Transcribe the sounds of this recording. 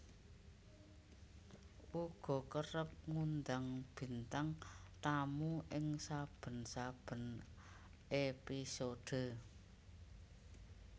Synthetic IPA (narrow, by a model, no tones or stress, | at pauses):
ʔuɡ̥ɔ̤kəɾəp̚ŋund̪aŋb̥i̤nt̪aŋt̪amuʔɪŋsab̥ə̤nsab̥ə̤n | ʔepisoɖ̥ə̤